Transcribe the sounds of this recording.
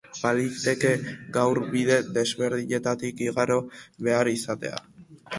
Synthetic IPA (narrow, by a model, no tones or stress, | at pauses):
balit̪eke̞ɡawɾβið̞e̞ðe̞zβe̞ɾðiɲe̞t̪at̪ikiɣaɾo̞βe̞aɾisat̪e̞̰a̰